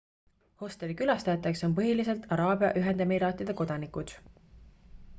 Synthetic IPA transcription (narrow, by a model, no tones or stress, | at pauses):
ho̞st̪elikylɑst̪ɑjɑt̪ːˑe̞kso̞npɤɦilise̞lt̪ʰˑɑɾɑːbiɑ̰ʔyɦend̪emiɾɑːt̪ːˑid̪̥e̞ko̞d̪̥ɑnikud̪̥